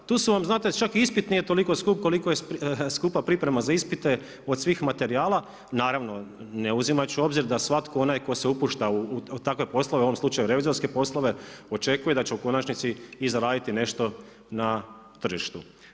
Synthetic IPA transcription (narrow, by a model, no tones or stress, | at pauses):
t̪uːsuʋamznaːt̪e̞t͡ʃakiispit̪nijet̪o̞liko̞skuːp̚ko̞likojepskuːpapɾipɾe̞mazaispit̪e̞ | od̪sʋiːxmat̪e̞ɾiaːlˠa | naːɾaʋno̞ | neuzimat͡ʃuo̞bziɾd̪asʋat̪kʰoonajko̞seupuːʃt̪aut̪akʋe̞po̞slˠoʋuoʋo̞mslˠut͡ʃajuɾe̞ʋizo̞ɾske̞po̞slˠoʋe̞o̞t͡ʃe̞kujed̪at͡ɕe̞uko̞nat͡ʃnit̪siːzaɾaːd̪it̪ine̞ʃt̪o̞ | na | t̪r̩ʒiʃt̪u